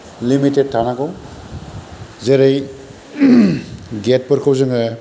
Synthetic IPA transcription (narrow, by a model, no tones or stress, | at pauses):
limited̚tʰanakow | zeɾej | ɡet̚pɯɾkʰawzɯŋa